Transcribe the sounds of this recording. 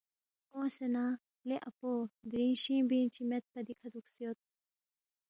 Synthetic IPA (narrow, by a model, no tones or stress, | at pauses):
õːsenaː | leʔɐpoːd̪ɾĩːnɕĩːbint͡ɕʰimet̪̚pɐd̪ikʰɐd̪uksijot̪̚